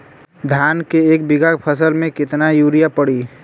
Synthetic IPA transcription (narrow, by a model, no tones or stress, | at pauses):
d̪ʱaːnkeeːk̚bɪɡakpʰəsəlmẽkɪt̪najuːɾijapəɽiː